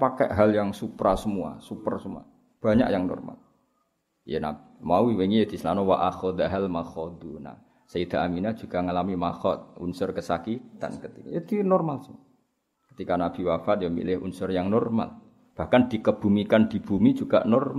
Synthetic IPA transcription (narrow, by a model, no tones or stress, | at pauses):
pakɛʔɦaljaŋsupɾasəmua̰supərsəmua̰ | b̥aɲa̰kjaŋnɔ̰rma̰l | jə̰na̰bimawiweŋied̪i̤səlanɔwaʔaxɔd̪aɦɛlmaxɔd̪una̰h | said̪̥aaminad͡ʒuɡ̥aŋalamimaxɔt̪̚ṵnsʊrkəsakitt̪a̰nkət̪ikaid̪inɔrmalsəmua | kə̥t̪ikanab̥iwafat̪̚jamḭlɪhṵnsʊrjaŋnɔrma̰l | b̥ahkand̪̥ikəb̥umikand̪i̤b̥umi̥d͡ʒuɡa̰ʔnɔrma